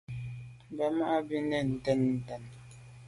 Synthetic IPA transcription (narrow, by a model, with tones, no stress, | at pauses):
ba˨ma˦ʔa˦bi˦ne˦˨n̩˨tɛ˦nn̩˨˦tɛ˦n